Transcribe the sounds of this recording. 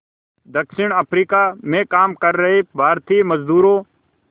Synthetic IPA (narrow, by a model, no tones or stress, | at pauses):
d̪ɐkʃɪɽ̃əpʰɾiːkamẽkaːmkəɾːɐɦebʱaːɾt̪iːməzd̪uːɾõː